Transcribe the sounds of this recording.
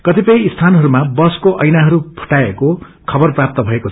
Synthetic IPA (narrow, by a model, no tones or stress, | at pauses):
kʌt̪ipʌj̃ist̪ʰanɦʌɾumabʌskoʔʌjnaɦʌɾupʰu̥ʈaeko | kʰʌbʌrprap̚t̪ʌbʱʌekot͡sʰ